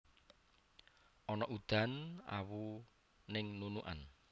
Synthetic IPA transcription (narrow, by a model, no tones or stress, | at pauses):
ʔɔnɔʔud̪̥a̤na̰wu | nɪŋnunuʔan